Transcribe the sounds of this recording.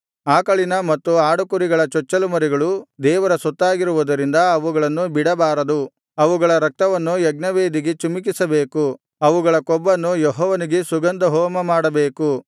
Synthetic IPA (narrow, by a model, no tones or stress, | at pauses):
aːkɐɭinɐmɐt̪ːuaːɽukuɾiɡɐɭɐt͡ʃɔt͡ʃːɐlumɐɾiɡɐɭud̪ɛːʋɐɾɐsɔt̪ːaːɡiɾuʋud̪ɐɾind̪ɐɐʋuɡɐɭɐnːubiɽɐbaːɾɐd̪u | ɐʋuɡɐɭɐɾɐk̚t̪ɐʋɐnːujɐɡnɐʋeːd̪iɡet͡ʃumik̬isɐbeːku | ɐʋuɡɐɭɐkɔbːɐnːujɔɦɔːʋɐniɡe̞suɡɐnd̪ɐɦɔːmɐmaːɽɐbe̞ːku